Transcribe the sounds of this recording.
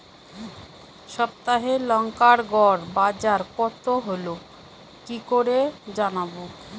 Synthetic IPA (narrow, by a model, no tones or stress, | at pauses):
ʃɔp̚t̪aɦelɔŋkaɾɡɔɾbad͡ʑaɾkɔt̪oɦolo | kikoɾed͡ʑanabo